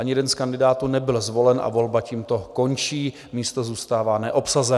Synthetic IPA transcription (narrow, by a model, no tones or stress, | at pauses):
aɲɪjɛdɛnskandɪdaːt̪uːnɛbɪlzvo̞lɛnʔa̰vo̞lbaciːmt̪o̞ko̞nt͡ʃiː | miːst̪o̞zuːst̪aːvaːnɛʔo̞psazɛ